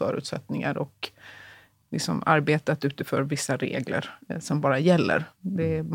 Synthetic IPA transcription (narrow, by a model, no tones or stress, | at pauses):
œ̰ːɾʉ̟ːt̪sɛt̪nɪŋa̰ɾɔk | lɪksɔmaɾbeːt̪at̪ʉ̟ːt̪əfœːɾvɪsːaɾḛːɡlə̰ɾsɔmbɑːɾajɛlːə̰ɾd̪ɛ